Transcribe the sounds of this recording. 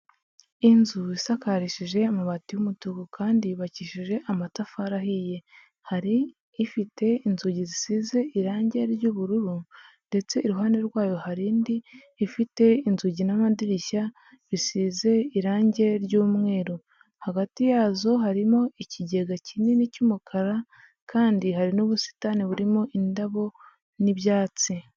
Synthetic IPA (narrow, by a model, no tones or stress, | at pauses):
inzuisakaɾiʃiʒe̞amaβatijumutuɡukʰaːndiβaciʃiʒe̞ʔamatafaɾaɦije̞ | haɾiː | fite̞inzuɟizisize̞iɾaːɲɟe̞ɾɟuːβuɾuɾunde̞t͡se̞iɾuɦaːne̞ɾɡwaːjo̞haɾiːndiː | fite̞inzuɟinamadiɾiʃa | βisize̞iɾaːɲɟe̞ɾɟuːmŋe̞ːɾo | haɡatijaːzo̞ɦaɾimo̞iciɟe̞ɡacinenicumukʰaɾa | kʰaːndiɦaɾinoβusi̥taniβuɾimoʔindaβo̞ | niβjaːt͡si